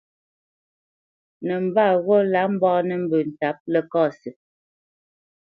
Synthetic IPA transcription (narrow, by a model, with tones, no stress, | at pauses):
nɛ˨m̩˨ba˦˨ɣɔ˦la˨˦m̩˦bɔː˦nɛ˦m̩˦bʉ˨n̩˨ta˨˦p̚lɛ˦kɔː˦˨sə˨